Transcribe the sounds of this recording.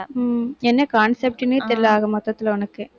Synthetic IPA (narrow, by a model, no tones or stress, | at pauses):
ɛnːɐkaːnsɛp̚ʈɪnːɯt̪ɪlːaːɣɐmɐt̪ːɐt̪ːɪlɐʊnɐkːɯ